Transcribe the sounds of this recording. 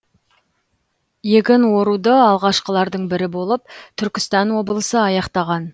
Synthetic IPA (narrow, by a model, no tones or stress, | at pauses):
jekʲɪnwo̞ɾud̪əɑlˠʁɑʃqəlˠɑɾd̪əɴbɪɾɪbo̞lˠəp̚t̪ʰʏɾkʲɪst̪ɑnwo̞bəlˠəsəɑjɑqt̪ɑʁɑn